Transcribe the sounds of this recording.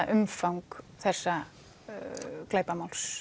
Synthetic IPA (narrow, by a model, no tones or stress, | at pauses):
ʔʏmfawŋkθɛsːa | kleːjpamawls